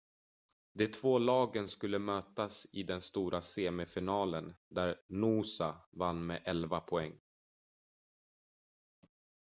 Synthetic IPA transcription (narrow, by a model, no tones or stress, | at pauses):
d̪ɛt̪ʰv̥oːlɑːɡənskɵlːəmøːt̪asɪd̪ɛnst̪uːɾʔaseːmɪfɪnɑːlənd̪æɾnuːsavanːmɛʔɛlvapʰɔɛŋː